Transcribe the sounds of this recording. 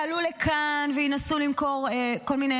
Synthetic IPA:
alulekʰanveinasulimko̞ʁeko̞lmine

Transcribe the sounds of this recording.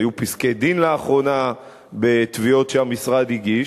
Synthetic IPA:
jupisked̪inleaχʁo̞na | be̞t̪vio̞tʃeamisʁad̪iɡiʃ

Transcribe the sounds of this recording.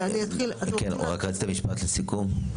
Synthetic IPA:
aniat̪ilakenṵʁakʁaɡt̪amiʃpat̪lesikum

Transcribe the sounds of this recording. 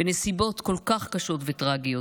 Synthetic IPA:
enesibo̞t̪ko̞lkaχkaʃo̞tvetʁaɡijo

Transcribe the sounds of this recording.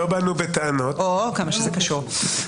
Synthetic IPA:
obanubet̪eano̞t̪okamaʃezɛkaʃuʁ

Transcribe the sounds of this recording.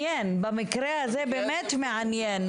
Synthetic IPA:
ɛːnbɪmɪkɾehazeːbemɛːt̪mɪʕanjɛːn

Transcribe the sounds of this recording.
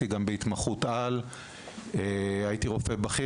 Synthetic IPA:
iɡambeit̪maχut̪al | eajit̪iʁo̞febaχi

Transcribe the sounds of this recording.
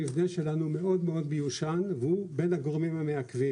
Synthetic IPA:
ivneʃe̞lanume̞o̞d̪meo̞d̪̚bejuʃanvube̞naɡoʁmimameakvi

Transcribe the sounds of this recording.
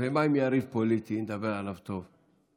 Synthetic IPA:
emajmiaɾivpolit̪ind̪abeʁalavt̪ov

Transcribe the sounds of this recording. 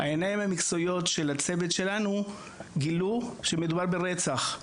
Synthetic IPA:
ha̰enajimhamikt͡so̞jo̞tʃe̞lat͡se̞vetʃe̞lanu | ɡiluʃe̞me̞dubaʁbe̞ʁe̞t͡saχ

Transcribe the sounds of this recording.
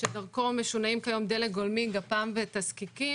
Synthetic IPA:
ʃed̪aʁko̞meʃunaimkajo̞md̪elet̚ɡolmiɡapaːmvet̪azkiki

